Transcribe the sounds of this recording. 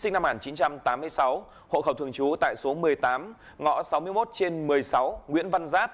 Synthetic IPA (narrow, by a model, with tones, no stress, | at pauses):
sï˧ŋ̟na˧mŋaː˨˩nt͡ɕi˨˦nt͡ɕa˧mt̪aː˨˦mːɨ˧əjsa˨˦w | ho̰˧˨xə˧˩wt̪ʰɨ˧˩əŋt͡ɕu˨˦t̪a̰ː˧˨jso˨˦mɨ˨˩əjt̪aː˨˦m | ŋɔ̰˧˩sa˨˦wmɨ˧əjmo˦˥t̚t͡ɕe˧nmɨ˨˩əjsa˨˦wŋwḭ˧˥ənva˧nzaː˦˥t̚